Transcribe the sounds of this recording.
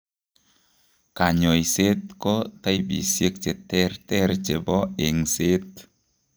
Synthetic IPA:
ka˨ɲo˨jse˦t̪̚kɔ˦t̪a˦jbḭ˨sje˦k̚t͡ʃe˨t̪ɛ˦rtɛ˦rt͡ʃe˨bɔ˦e˨ŋse˦t̪

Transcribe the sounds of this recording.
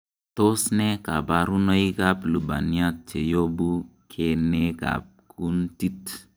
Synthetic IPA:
to˦snɛ˦ka˨ba˨ɾu˦nɔ˦i˦ka˦plu˨ba̰˨ni˦a˦t̚t͡ʃe˨jo˦bu˦kʰe˨ne˦ka̰˨p̚kʰu˦nti˦t

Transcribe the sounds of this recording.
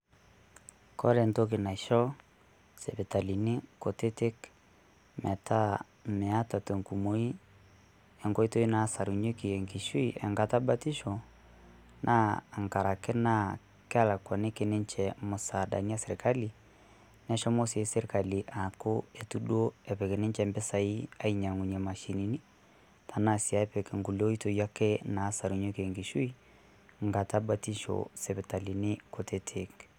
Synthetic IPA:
kɔ̰˦lɛ˨nto˦k̬e˨na˨ʃɔ˦ | sɛ˨bɛ˨ta˨li˨ne˦ko˨te˦te˦k | mɛ˨ta˦ | mɛ˨a˦ta˨to˨ŋku˨mo˨˦i˦ | ɛ˨ŋɡɔ˦i˦to˦i˦na˨˦sa˨ɾu˨ɲe˦ki˨ɛ˨ŋki˨ʃwu˦i˦ʔɛ˨ŋɡa˨ta˦ba˦ti˦ʃɔ˨ | nʔa̰ː˦˨ŋka˨ɾa˨kɛ˦na˦ | ka˦la˨kwɔ˨ne˦ke˨nɛ˦nt͡ʃɛ˨mo˨sa˨da̰˨ni˦a˦sɛɾi˨ka˦li˨ | nɛ˦ʃɔ˦mo˦se˨˦sɛ˦ɾe˨ka˨li˨ʔa˨ko˦e˨tu˦do˦ɛ˨pɛ˨kɛ˨nɛ˦ɲt͡ʃɛ˨mbɛ˦sa˨i˦a˦i˨ɲa˨ŋu˨ɲɛ˨ma˨ʃi˨ni˨ni˦ | tʰa˨na˦sia˨ɛ˦pɛ˨kɛ˨ŋɡu˨lo˦i˦to˨ja˦kɛ˦naː˨˦sa˨ɾu˨ɲo˦ke˨ŋɡi˨ʃu˦i˦ | ŋɡa˨ta˦bati˦ʃɔ̰sɛ˨βɛ˨ta˨li˨nɪ˦ko˨te˦tʰek

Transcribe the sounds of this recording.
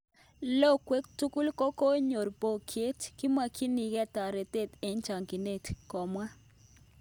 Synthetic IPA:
lo˦˨kwe˦k̚tu˦ku˦lkɔ˦ko˦ɲo˨ɾbo˨kʰje˦tki˦ma˨kʰi˦ni˨ɡɛ˦ta˨ɾe˨t̪e˦˨t̪e˨˦nt͡ʃa˨ŋki˨ne˦˨tkɔ˨mwa˦

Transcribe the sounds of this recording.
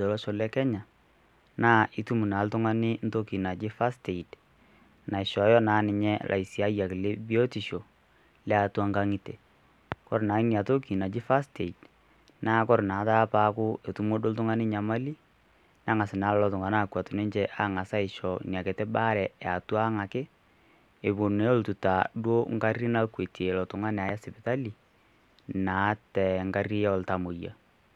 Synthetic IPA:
dɔ˨lɔ˦ʃɔ˨lɛ˦kɛ˦ɲa˨ | naː˦ʔɪ˨tu˦mu˨na˨˦ltʊ˦ŋa˦nɪ˦n̩˦to˦ki˨na˨d͡ʒɪ˦fa˦ste˨i˨d | na˨ɪ˨ʃɔ˨˦jɔ˦naː˨˦nɪ˨ɲɛ˦lʔa̰˨i˨si˨a˦ja˨kle˦bi˦o˦ti˨ʃo˨ | lɛ˦a˨twa˦ŋka˦ŋi˦te˨ | kɔ˦ɾnaː˨ɪ˦nia˨to˦ki˨na˨d͡ʒɪ˦fa˦ste˨i˨d | naː˦kɔ˦ɾna˨˦taː˦paː˦kʊ˦e˨tu˦mo˦do˦ltʊ˦ŋa˦nɪ˦ɲa˨ma˦li˦ | na˨˦ŋa˨sɪ˨na˨˦lɔ˦lɔ˨tʊ˨ŋa˨na˦˨kwa˨tʊ˨nɪ˦ɲt͡ʃɛ˦ʔa˦ŋa˨sa˦ɪ˨ʃɔ˨nja˨ke˨tɛ˦ba˦ɾɛ˨a˨twa˦ŋa˨kɪ˦ | e˨bo˨ne˨˦o˦ltu˨ta˨ɗo˦ŋɡa˦ri˦na˦kwe˨te˨lɔ˨tʊ˨ŋa˦nɛ˨a˨˦ja˦sɪ˨pɪ˨ta˦li˨ | na˨˦tɛ˨ŋɡa˦ri˦jɔ˦˨lta˨mo˨ja̰˨

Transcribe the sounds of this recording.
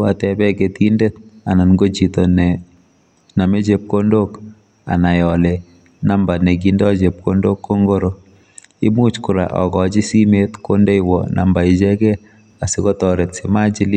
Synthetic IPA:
a˨tɛ˦bɛ˦ke˨ti˦nde˦t̚a˨na˨nɡo˦t͡ʃi˨to˨nɛ˨ | na˨me˦d͡ʒe˦p̚ko˦ndo˦k | a̰˨na˨jɔ˨le˨ | na˦mba˨ne˨ɡ̬i˦ndɔ˦t͡ʃe˨p̚ko˦ndo˦kːo˦ŋɡo˦ɾo˦ | ḭ˦mu˦t͡ʃku˨ɾa̰˨ʔɔ̰˨ɡɔ˨t͡ʃi˦si˦metko˦nde˦iwɔ˨nʔa̰˨mba˨i˨t͡ʃɛ˦kɛ˦ | a˨si˨ko˦tɔ˨ɾe˨tsi˨ma˦d͡ʒi˦l

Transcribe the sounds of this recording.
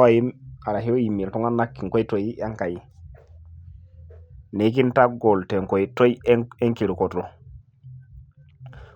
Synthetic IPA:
wa˨ji˦ma˨ɾa˨ɦi˦o˦ji˨mːi˨ltu˦ŋa˦nːa˦kːi˨ŋko˦jto˨ja˦ŋka˨ji˨ | ne˨˦k̬i˦nta˦ɡo˨lte˨ŋko˨to˦je˦ŋke˨ɾu˨ko˨to˨

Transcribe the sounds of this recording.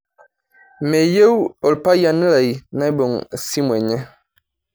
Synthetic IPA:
me˨je˦wɔ˨lpa˦ja˦ni˦la˨i˨na˦i˦bɔ˨ŋsi˦mwɛ˨ɲɛ˦

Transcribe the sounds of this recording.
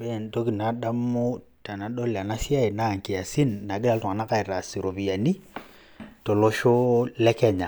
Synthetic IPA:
bɛ˦˨nto˦ki˨na˨ɗa˦mːo˦ | ta˨na˨do˦lɛ˨a˨na˦si˦a˦i˨na˦˨ŋ˨ki˨a˨si˦nːa˨ɡɪ˦la˦ltu˨ŋa˨na˦ka˦˨i˨ɾa˨si˨ɾo˨bi˨a˨ni˦ | to˨lo˦ʃo˦lɛ˦kɛ˦ɲa˨

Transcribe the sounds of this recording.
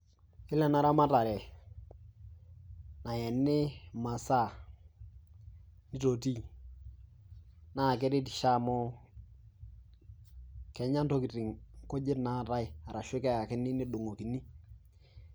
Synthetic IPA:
ɪ˦lɛ˨na˨˦ɾa˦ma˦ta˨ɾɛ˨ | na˨jɛ˨nːɪ˦ma˨sa˦˨ | nɪ˦to˨ti˦ | na˦˨k̬ɛ˦ɾɪ˦ti˨ʃa˦˨mɔ˦ | kɛ˨˦ɲa˦nto˦ki˨tɪ˨ŋko˦d͡ʒɪ˦tna˦˨ta˦ɪ˦˨a˨ɾa˨ʃe˦kɛ˦ja˨kɪ˦nɪ˦nɪ˦do˨ŋo˨ki˨ni˦

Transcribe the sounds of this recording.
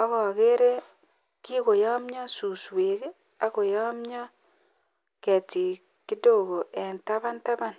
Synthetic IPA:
ɔ˦ɣɔ˨ɣe˦ɾe˦ | ki˦ko˨jɔ˦mɲɔ˦su˨swe˨k | a˦ko˨jɔ˦mɲɔ˦ | kɛ˨ti˨ | kɪ˦do˦˨ɣo˨ʔɛ˨nta˦ba˦nta˦ba˦n

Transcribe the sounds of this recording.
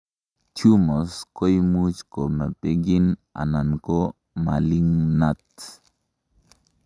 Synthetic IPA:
t͡ʃu˦mo˨sko˦jmu˦t͡ʃko˨me˨pe˦ɡi˦na̰˨na˨nko˦ | ma˨li˦ŋna˦t̪

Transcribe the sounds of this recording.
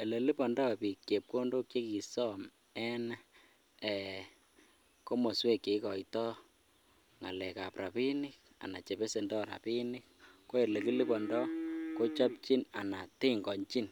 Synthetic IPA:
e˨le˨li˦bɔ˨ndɔ˦˨pi˨kke˨p̚ko˦ndo˦kt͡ʃe˦ki˨sɔ˦m | ɛ˦n˦ | ɛ˨ | ko˦mo˨swe˦kːe˨˦kɔ˨itɔ˦ | ŋa̰˨lɛ˨ka˨prʔa˨pi˦nɪ˦k̚ | a̰˨na˨t͡ʃe˨be˦se˨ndɔ˦ɾa̰˨pi˦nɪ˦k̚ko˦e˨le˨ki˦li˦bɔ˨ndɔ˦ko˦t͡ʃɔ˦p̚t͡ʃi˦na˨na˨tɪ˦ŋɡɔ˨ɲt͡ʃi˦n

